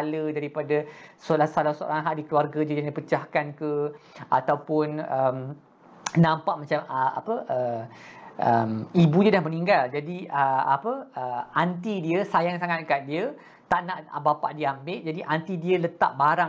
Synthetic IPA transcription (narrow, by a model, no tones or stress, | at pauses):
lədaɾipadasolat̪salasoo̰ɾaŋɦaʔdikluarɡadədjaŋdipət͡ʃahkankəʔat̪awpʊnəm | nãmpaʔmat͡ʃaməa̰pəʔə | ʔəmibudiədahməniŋɡald͡ʒadiəapəəant̪idiəsajaŋsaŋat̪̚kat̪̚diə | t̪aʔnaʔa̰bapa̰ʔdiambɪʔd͡ʒadiʔant̪idiələt̪a̰ʔ̚baɾa